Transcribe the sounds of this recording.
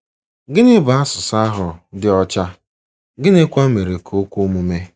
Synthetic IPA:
ɡɪ˦nɪ˦ba˨a˦sʊ˨sa˦ɦʊ˨dɪ˦ɔ˦t͡ʃa˦ | ɡɪ˦ne˦kʷa˦me˨ɾe˨kʰo˦kʷu˦mu˦me˦

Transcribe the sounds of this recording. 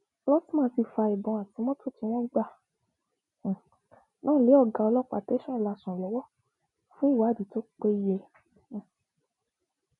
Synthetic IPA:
lɔ˦ti˦mãː˦˧˦si˧fa˧i˨bɔ̃˨a˨ti˨˦mɔ̃˦to˦˨ti˧w̃ɔ̃˦ɡ͡ba˦˨ | nãː˦˨le˨˦ɔ˦˨ɡa˨˧ɔ˧lɔ˦k͡pa̰˧˨te˦ʃɔ̃˦˨la˨˧sɔ̃˨lɔ˨˦wɔ˦ | fũ˦˨wa˨˦˨di˨˦to˦k͡pe˦jẽ˧˨

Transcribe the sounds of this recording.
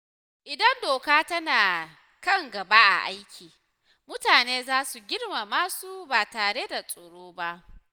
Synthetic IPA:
ʔɪ˨dɐ˦ndoː˨kaː˦tɐ˦naː˨ | kɐ˦˨ŋɡɐ˨baː˦ʔa̰˨ʔa˦jkʲʰiː˨ | mʊ˦taː˨neː˦zaː˦su˨ɡʲɪ˦rma˨maː˦su˦baː˨taː˨ɽe˦da˨sʼoː˨ɽoː˦ba˦ʔ

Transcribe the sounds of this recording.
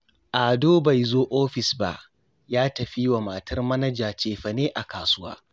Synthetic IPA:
ʔa˨doː˦ba˨jzoː˦ʔoː˦ɸɪ˨sba̰˦ʔ | jaː˦tɐ˨ɸiː˦wa˨maː˨tɐ˦rmɐ˦nɐ˦d͡ʒaː˨t͡ʃeː˨ɸɐ˨neː˦ʔa˨kaː˨sʊ˦wa̰ː˦

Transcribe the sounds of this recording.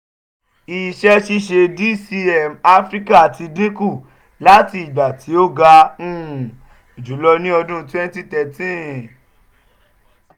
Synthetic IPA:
i˨ʃɛ˧˦ʃi˧ʃe˧di˦si˧ɛ˨ma˦fɾi˦ka˦a˨ti˧dĩ˦ku˦˨ | la˦ti˧i˨ɡ͡ba˨tʰi˨˦o˦ɡa˧ũ˦˨ | o˨d͡ʒu˨˦lɔ˧nĩ˦ɔ˧dũ˦twɛ̃˦n˦ti˦tɛ˨tĩ˦˨

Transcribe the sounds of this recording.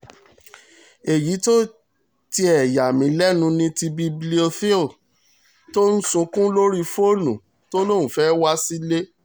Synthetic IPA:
e˨ji˨˦to˦ | ti˧ɛ˨ja˨mĩ˨˦lɛ˦nũ˧nĩ˧ti˧bi˧bli˦o˧fi˦l | to˦n̩˦sũ˧kũ˦lo˦ɾi˦fo˦˨nṵ̃˨ | to˦lo˦˨ũ˨fɛ˦wa˦si˦le˦

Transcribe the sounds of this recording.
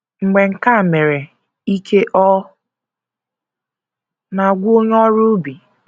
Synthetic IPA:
ŋ͡m̩˨ɡ͡be˨ŋ̩˨ka˦˨me˨ɾe˨ | i˦kʰe˦ʔɔ˦ | na˨ɡʷu˦o˦ɲ˦ɔ˦ɾu˦bi˨

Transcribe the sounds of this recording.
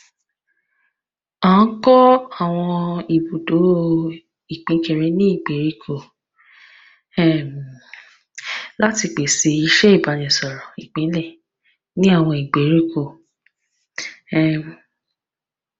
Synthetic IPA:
ã˨˦n̩˦kɔ˦a˦˨w̃ɔ̃˧i˨bo˨do˨˦ | i˨k͡pĩ˨˦ke˦˨ɾɛ˨˦nĩ˦i˦˨ɡ͡be˨˦ɾi˦kʰo˦˨ | ɛ˦˨m˨ | la˦ti˧k͡pe˨se˧˦i˧ʃɛ˦i˦˨ba˨˦nĩ˨sɔ˨ɾɔ̃˨i˨k͡pĩ˨˦lɛ˦˨ | nĩ˦a˦˨w̃ɔ̃˧i˨ɡ͡be˨˦ɾi˦ko˦˨ | ɛ˨

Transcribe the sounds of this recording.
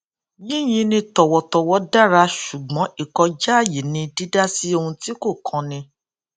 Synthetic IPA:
jĩ˦j̃ĩ˧˦nĩ˧tɔ˨wɔ˨tɔ˨wɔ˧˦da˦˨ɾa˧ʃu˨ɡ͡bɔ̃˨˦i˦˨kɔ˧d͡ʒa˦a˦˨ji˨nĩ˧di˦da˦si˦o˧hũ˧ti˦ko˦˨kʰɔ̃˧nĩ˧

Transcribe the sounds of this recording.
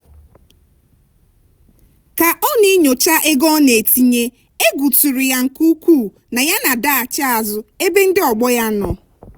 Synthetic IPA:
ka˨ʔɔ˦ni˦ɲo˨t͡ʃa˦ʔe˦ɡɔ˦ne˨ti˦ɲe˦ | e˦ɡu˨tu˨ɾi˨ja˦ŋ̩˨ku˦kʷuː˦˨ | na˨ja˦na˨da˦a˨t͡ʃa˦a˨zʊ˨e˦be˦n̩˦dɪ˦ɔ˨ɡ͡bɔ˦ja˦nɔ˨

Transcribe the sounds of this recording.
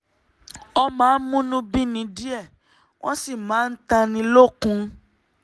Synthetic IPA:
ɔ˧mãː˨˦n̩˦mũ˦nũ˦bi˦nĩ˧˦di˦ɛ˦˨ | w̃ʔɔ̰̃˦si˦˨mãː˨˦n̩˦ta˧nĩ˧lo˦˨kũ˧˦

